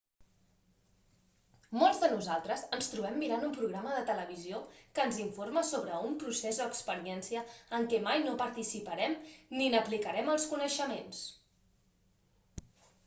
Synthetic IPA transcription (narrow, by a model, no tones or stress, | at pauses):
molˠzðənuzalˠt̪ɾəzənst̪ɾuβɛmːiɾanumpɾuɣɾaməðət̪ələβ̞iziokənziɱforməsoβɾəumpɾusezd̪əkspəɾiɛnsiəːŋkɛmajnopəɾt̪isipəɾɛmninəplikəɾɛməlˠskunəʃəmens